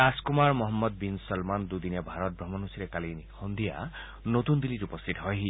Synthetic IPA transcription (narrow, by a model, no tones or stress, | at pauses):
askumaɹmɔɦɔmːɔd̪̚binsɔlmand̪ud̪injabʱaɾɔt̪̚bɾɔmɔnɦusiɾekalinhɔnd̪ʱija̰ | not̪und̪iliɾupɔst̪ʰit̪ɔɦɔjɦi